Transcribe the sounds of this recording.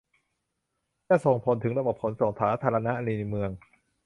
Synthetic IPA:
jaː˥˩so˨˩ŋpʰo˩˦nt̪ʰɯ˩˦ŋɾa˧bo˨˩p̚kʰo˩˦nso˨˩˦ŋsʰaː˩˦˥t̪ʰaː˧ɾa˧na˦˥ʔa˧niː˧n˧mɯ˧əŋ

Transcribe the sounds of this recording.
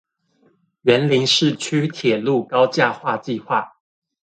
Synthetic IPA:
ɥɛ˧˦nli˧˥ŋʂɻ̩˥˨t͡ɕʰy˥t̪ʰjɛ˨˩lu˥˨kɑ˦ʊt͡ɕja˥˧xwa˥˧t͡ɕi˥˧xwa˥˩

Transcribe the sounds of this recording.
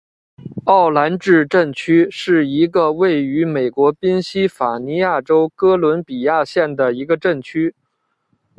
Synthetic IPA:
ɑ˥˩ʊla˧˥nʈ͡ʂɻ̩˥˧ʈ͡ʂə˥˩ŋt͡ɕʰy˥ʂɻ̩˥˩i˧˥ɡə˧we˥˩ɪy˧˥me˨˩ɪkwɔ˧˥pi˥nɕi˥fa˨˩ni˧˥ja˥˩ʈ͡ʂo˥ʊkɤ˥lwə˧˥npi˨˩ja˥˧ɕjɛ˥˩nd̪ə˩i˧˥ɡə˧ʈ͡ʂə˥˩ŋt͡ɕʰy˥

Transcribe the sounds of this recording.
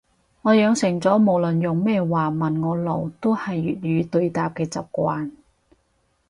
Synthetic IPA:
ŋɔː˨˧jœː˨˧ŋsɪ˨˩ŋt͡sɔː˨˥mo˨˩wlɵ˨˩njʊ˨ŋmɛː˥waː˨˩mɐ˨˩nŋɔː˨˧lo˨˩wt̪o˥whɐ˨jːy̰ː˨t̚jyː˨˧t̪ɵ˧ɥt̪aː˨p̚kɛː˧t͡sɐ˨p̚kʷaː˧n

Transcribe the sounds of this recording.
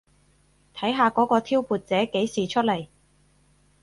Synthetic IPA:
t̪ʰɐ˨˥jɦaː˧kɔː˨˥kɔː˧t̪ʰiː˥wpuː˨˧t̚t͡sɛː˨˥ke˨˥jsiː˨t͡ʃʰɵ˥t̚lɐ˨˩j

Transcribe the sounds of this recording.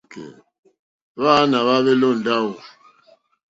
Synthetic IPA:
kḛ˨ | βa˦na˨βa˦βe˦lo˦˨n̩˨da˦u˨

